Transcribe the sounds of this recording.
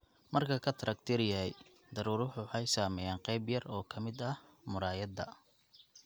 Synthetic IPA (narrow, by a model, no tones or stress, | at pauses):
mɐrkʰɐkʰɐt̪ʰɐɾɐkt̪ʰɪɾɪjɐɦɛj | d̪ɐɾuːɾʊħʊħɑjsaːmɛjaːɴqɛjbjɐrɔːkʰɐmɪd̪ɐhmʊɾaːjɐd̪ɐ